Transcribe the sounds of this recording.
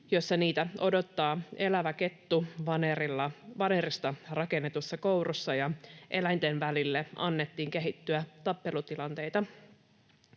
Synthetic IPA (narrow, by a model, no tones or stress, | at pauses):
jo̞sːɑniːt̪æʔo̞do̞t̪ːɑːe̞læʋæke̞t̪ːuʋɑnerilːɑʋɑnerist̪ɑrɑke̞nːet̪usːɑkowɾusːɑjɑʔe̞læjnt̪enʋælilːeɑ̰nːet̪ːiːŋke̞ɦit̪ːyæt̪ɑpːe̞lut̪ilɑnt̪e̞jt̪ɑ